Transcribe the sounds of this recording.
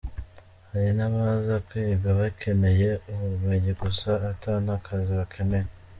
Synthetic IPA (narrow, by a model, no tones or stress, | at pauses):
haɾinaβazakwiɡaβakʰe̞me̞je̞uβumeɲiɡusaːtanakʰaziβakʰemej